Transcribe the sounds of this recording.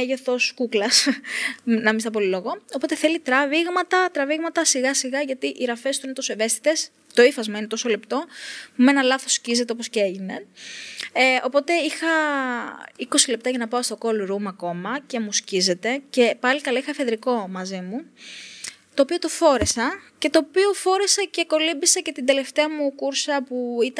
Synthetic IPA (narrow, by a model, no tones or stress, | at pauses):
eʝoθo̞skuklɐs | nɐmist̪ɐp̬o̞lilo̞ɣo̞o̞po̞t̪eθe̞lit̪ɾɐviɣmɐt̪ɐt̪ɾɐviɣmɐt̪ɐsiɣɐsiɣɐʝɐt̪iʔiɾɐfe̞st̪uinet̪o̞soeve̞st̪i̥t̪e̞s | t̪o̞ifɐzmɐine̞t̪o̞sole̞pt̪o̞pumenɐlɐθo̞scize̞t̪e̞o̞poscee̞ʝine̞ | eo̞po̞t̪e̞ixɐ | iko̞sile̞p̚t̪ɐʝɐnɐpɐost̪o̞ko̞lɾumɐko̞mɐce̞muscize̞t̪e̞ce̞pɐlikɐlɐixɐfe̞ðɾiko̞mɐzimu | t̪o̞ːpio̞t̪o̞fo̞ɾesɐce̞t̪o̞ːpio̞fo̞ɾesɐceko̞limbisɐce̞t̪ind̪e̞le̞ft̪eɐmukuɾsɐpuit̪